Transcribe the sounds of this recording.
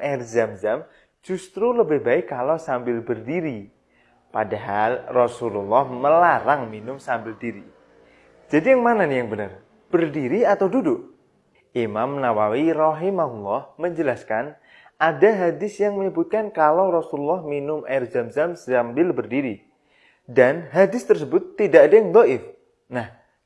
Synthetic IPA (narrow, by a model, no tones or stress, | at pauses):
ɛrzamzam | d͡ʒ̥ust̪ɾuləbɪhbaɪkːalosambɪlbərdiɾi | padaɦalrɔsululːɔhməlaɾaŋminʊmsambɪldiɾi | d͡ʒ̥adijaŋmananijaŋbənər | b̥ərdiɾiat̪awdudʊʔ | ʔimamnawawirɔɦimaɦulːɔhməɲd͡ʒəlaskan | ʔadaɦadɪsjaŋməɲəbut̪̚kankalawɾɔsululːɔhminʊmʔa̰ɪrd͡ʒamzamzambɪlbərdiɾi | danɦadɪst̪ərsəbʊt̪ːidaʔdajaŋd̪ɔʔɪf | nah